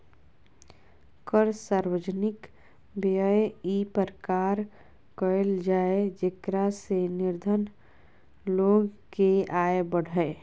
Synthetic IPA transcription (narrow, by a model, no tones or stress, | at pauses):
kəɾsaːɾwəd͡ʒənɪk | bəjipəɾəkaːɾ | kəeld͡ʒaːed͡ʒekɾasenɪɾd̪ʱən | loːɡ | keaːebəɽ̤ʱəe